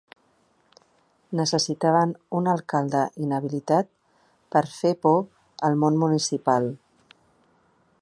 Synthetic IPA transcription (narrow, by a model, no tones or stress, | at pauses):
nəsəsit̪aβ̞ənunəlˠkalˠd̪əʔinəβ̞ilit̪at̪̚ | pəɾfepɔ | əlˠmonmunisipalˠ